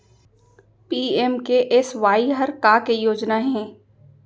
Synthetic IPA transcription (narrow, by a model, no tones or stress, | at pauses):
piːemkeʔɪsʋaːiɦəɾkakejoːd͡ʒnaɦɛ̃ː